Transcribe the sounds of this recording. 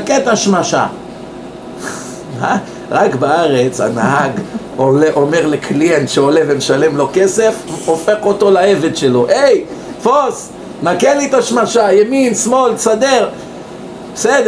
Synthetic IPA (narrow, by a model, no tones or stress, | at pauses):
aket̪aʃmaʃa̰ | a | ʁakbaaʁe̞t͡sha̰nahaɡ | oleʔo̞me̞ʁlekʰlienʃeo̞levemeʃale̞mlo̞ke̞se̞fofe̞χo̞t̪o̞laeve̞d̪ʃelo̞ʔej | fos | nakelit̪aʃmaʃajeminsmolsad̪eʁ | besed